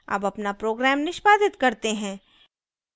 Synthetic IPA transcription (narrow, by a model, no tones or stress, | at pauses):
ɐ̰bɐpnapɾoːɡɾɛːmnɪʃbaːd̪ɪt̪kɐɾt̪eɦɛ̃ː